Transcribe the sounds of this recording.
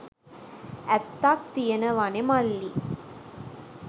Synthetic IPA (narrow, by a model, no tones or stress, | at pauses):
ɛt̪ːaːk̚t̪ijɐnɐʋanemalːi